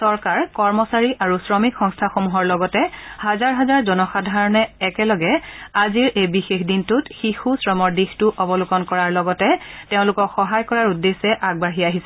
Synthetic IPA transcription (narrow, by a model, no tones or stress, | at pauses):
sɔɹkaɹkɔɹmɔsaɹiʔaɹusɹɔmikxɔŋstʰaxomuɦɔɹlɔɡɔtɛhazaɹɦazaɹzɔnɔxadʱaɹɔnɛːkɛlɔɡɛaziɹejbixexdintutxixusɹɔmɔɹdixtʊʔɔbɔlukɔnkɔɹaɹlɔɡɔtɛteʊ̃lʊkɔkxɔɦajkɔɹaɹudːesɛʔaɡ̚baɦiaɦisɛ